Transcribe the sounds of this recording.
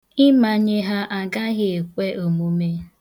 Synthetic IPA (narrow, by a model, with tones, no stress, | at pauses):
ɪ˦ma˨ɲe˦ɦa˦ʔa˨ɡa˦ɣɪ˨e˨kʷe˦ʔo˨mu˦me˦